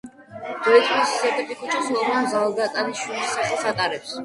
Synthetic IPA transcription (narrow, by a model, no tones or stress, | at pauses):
d̪̥ɔt̪ʼisi̥sɛt̪ʰʼɛt̪ʼikʼut͡ʃʰʼɔsnɔmamzalˠd̪at̪ʼaniʃulisːaχlˠsat̪ʼaɾɛps